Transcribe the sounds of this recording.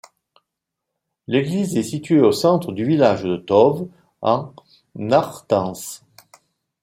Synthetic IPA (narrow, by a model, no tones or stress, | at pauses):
leɡlizɛsit̪ɥeosɑ̃t̪χəd̪yvilaʒd̪ət̪ɔv | ɑ̃ | naʁt̪ɑ̃s